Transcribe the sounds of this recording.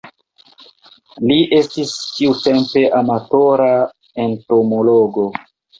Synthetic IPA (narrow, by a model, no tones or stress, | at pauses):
liʔe̞stistiutempe̞ʔamatoɾa | ento̞mo̞loɡo̞